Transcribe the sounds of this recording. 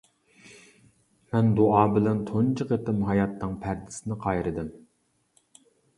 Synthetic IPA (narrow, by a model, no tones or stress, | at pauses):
mɛnd̪oɑːbɪlɛnt̪ʰont͡ʃʰəqət̪ɪmɦɑjɑt̪ːɨŋpʰæɾd̪ɪ̥sɪnɪqʰɑjɾɨd̪ɨm